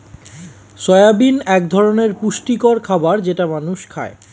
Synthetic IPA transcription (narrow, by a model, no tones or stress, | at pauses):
ʃɔeabinɛk̚d̪ʱɔɾoneɾpuʃʈikoɾkʰabaɾd͡ʑeʈamanuʃkʰa̰e